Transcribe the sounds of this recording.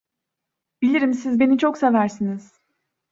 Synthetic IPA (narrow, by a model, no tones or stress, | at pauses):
b̥ilʲiɾimsizbe̞nit͡ʃʰo̞ksevæɾsiniz̥